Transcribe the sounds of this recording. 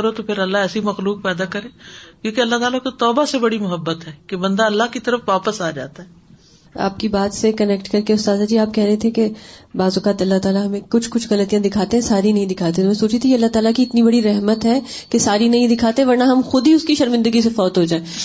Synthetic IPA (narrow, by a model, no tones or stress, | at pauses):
ɐɾot̪opʰɪɾɐlːaɛːsimɐxluːk̚pɛːd̪akɐɾẽːkjõːkeɐlːat̪aːlakot̪ɔːbasebɐɽimʊɦəbːət̪ɦɛːkebɐ̃nd̪aɐlːaɦkit̪ɐɾəfʋaːpəsaːd͡ʒa̰ːt̪aɦɛ | a̰ːp̚kibaːt̪sekɐnɛkʈkɐɾkeʊst̪aːd̪ad͡ʒiːaːp̚kɛɦɾɛɦẽt̪ʰekebaːzʊkaːt̪ɐlːat̪aːlaɦɐmẽkʊt͡ʃʰkʊt͡ʃʰɣɐlət̪ijãd̪ɪkʰaːt̪ẽɦɛ̃saːɾinɐɦĩd̪ɪkʰaːt̪̬et̪omɛ̃soːt͡ʃit̪ʰijeɐlːaɦt̪aːlakiɪt̪nibɐɽiɾɛɦmət̪ɦɛː | kesaːɾinɐɦĩd̪ɪkʰaːt̪ẽʋɐɾnaɦɐmxʊd̪iʊskiʃɐɾmɪ̃nd̪əɡis̬efɔːt̪ɦod͡ʒaːẽː